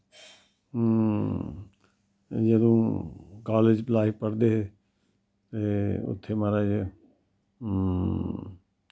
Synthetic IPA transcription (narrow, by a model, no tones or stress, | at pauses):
jəd̪õːkaːleːd͡ʒplaːipəɾd̪eɦe | t̪eʊ̰t̪ʰːemaɾaːd͡ʒe